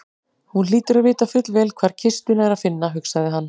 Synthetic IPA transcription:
hunliːt̪ʏɾaðvɪːt̪afʏt̪lvɛːlkʰvaːɾ̥cʰɪst̪ʏnaɛɾaðfɪnːaɦʏksaðɪɦanː

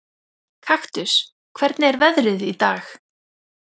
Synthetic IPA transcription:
kʰaxt̪ʏs | kʰv̥ɛɾt̪nɪɛɾvɛðɾɪðit̪aːx

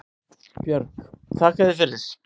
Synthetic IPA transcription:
pjœɾkt̪ʰaːkaðɪfɪɾɪðɪs

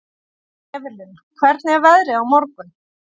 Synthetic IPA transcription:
ɛvɪlɪn | kʰvɛɾt̪nɛɾvɛðɾɪawmɔɾkʏm

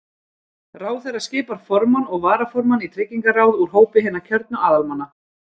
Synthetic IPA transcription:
raːwθɛrːḁscɪːpaɾ̥fɔɾmanɔɣvaːɾafɔɾmanit̪ʰɾɪcːiŋkarawðuɾ̥ɦoːwpɪɦɛːnːacʰœɾt̪̚nʏaːðalmanːa

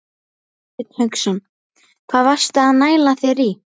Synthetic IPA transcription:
ɪt̪hœksɔn | kʰv̥aːðvar̥st̪aːðnaːjlaθɛɾi

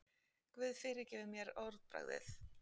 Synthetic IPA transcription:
kvɪðfɪːɾɪɾ̥cɛːvɪɾmjɛɾɔwɾðpɾa̰ɣðɪ̰θ

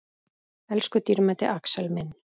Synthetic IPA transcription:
ɛlskʏt̪iɾmɛt̪ɪ̰ʔaksɛlmɪn

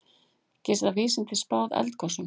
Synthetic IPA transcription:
cɛːsðaviːsɪnt̪ɪspaːwðɛ̰lt̪̚kʰɔsʏm

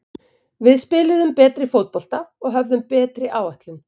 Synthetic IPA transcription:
vɪðspɪːlɪðʏmpɛːt̪ɾɪfoːwt̪̚pɔl̥t̪aɔɣɦœvðʏmpɛːt̪ɾɪʔaːwajht̪lɪn

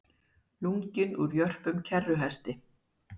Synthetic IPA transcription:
luŋcɪnuɾjœr̥pʏmcʰɛrːʏɦɛst̪ɪ

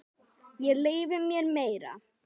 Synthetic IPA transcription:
jɛleːjvɪmjɛɾmeːjɾa̰

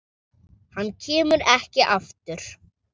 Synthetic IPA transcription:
hanːcʰɛːmʏɾɛhcɪʔaft̪ʏɾ̥

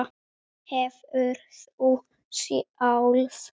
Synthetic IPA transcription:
hɛvœɾθu | siawlf

